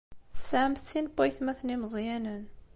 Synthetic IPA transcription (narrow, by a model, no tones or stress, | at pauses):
θəsʕəmθt͡sːinbæjθmæθniməzˤjænən